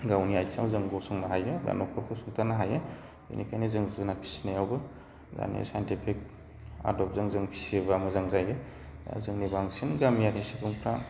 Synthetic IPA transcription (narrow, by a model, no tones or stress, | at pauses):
ɡawniajsamwzɯŋɡɔsɔŋnaɦajɯba̰nɔkʰɔɾkʰɯsɔŋtʰanaɦajɯ | ṵnikʰajnɯzɯŋzuzɯnapʰi̥sinajawbɯ | za̰nḭsajentipʰik̚ | a̰ɾdɔp̚zɯŋzɯŋpʰi̥siβamɯzaŋzajɯ | zɯŋnibaŋsinɡamjakʰesikʰuŋpʰɾa